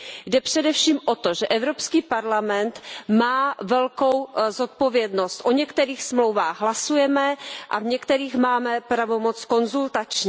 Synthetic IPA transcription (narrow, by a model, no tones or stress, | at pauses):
jdɛpr̝̥ɛdɛfʃiːmʔo̞t̪oʒɛʔɛvɾo̞pskiːpaɾlamɛnt̪maːvɛlkowzot̪̚po̞vjɛdno̞st̪ʔoɲɛkt̪ɛɾiːxsmlowvaːɣɦlasujɛmɛʔa̰vɲɛkt̪ɛɾiːxmaːmɛpɾavo̞mo̞t͡sko̞nzult̪at͡ʃɲi